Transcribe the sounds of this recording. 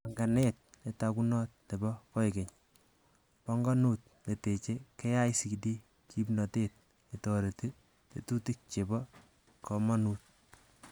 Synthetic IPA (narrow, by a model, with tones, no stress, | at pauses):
a˨ŋɡa˨net̚etakunɔ˦t̚ne˨bɔkɔ˦eke˨ɲ | pɔ˦ŋɡɔ˦nuːt̚ | ne˨te˨t͡ʃeke˦ja˦isi˨ki˨di˦ | kʰipnɔ˨teːt̚ | etɔ˨ɾeti˦ | te˨tu˦ti˦k̚t͡ʃe˨bɔ | kɔ˨mɔ˦nuːt̚